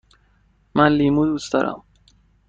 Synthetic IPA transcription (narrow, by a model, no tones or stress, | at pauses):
mænliːmud̪uːstd̪ɒːɾʔæ̰m